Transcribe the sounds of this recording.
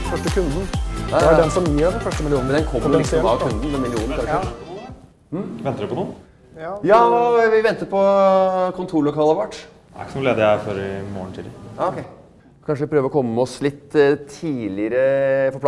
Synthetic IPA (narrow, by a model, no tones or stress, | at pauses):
fœʂʈəkʰʉnd̪n̩æd̪ɛnsɔmjiɾɑʋd̪ɛnflœʂʈəmɪlɪuːnəd̪ɛnkʰɔmːəsɑʋkʰʉnd̪n̩d̪ɛnmɪlɪuːnnək̪ʰɑɾ | ʋɛnt̪əd̪ɪpɔnuː | jɑːʋɪʋɛnt̪əpʰɔkʰʊnt̪ʰuːɭɔkʰɑlˠəɾʋɑʈː | æ̰ɾkːənʊleːd̪ɪæfɔɾɪmoːəɳt̪ʰiːd̪əjɑɔkʰeɪ | kʰɑnʂəʋɪpʰɾøːʋəɾɔkʰɔmːəɔslɪt̪ːʰiːlɪəɾəfɔɾp